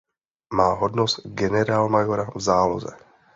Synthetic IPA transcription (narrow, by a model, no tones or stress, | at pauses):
maːɦɔd̪nɔst̪ɡɛnɛɾaːlmajɔɾavzaːlo̰zɛ̰